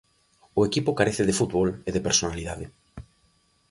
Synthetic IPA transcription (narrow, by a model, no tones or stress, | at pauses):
ʊekipʊkaɾeθɪðɪfut̪βɔleðepeɾsonaliðaðɪ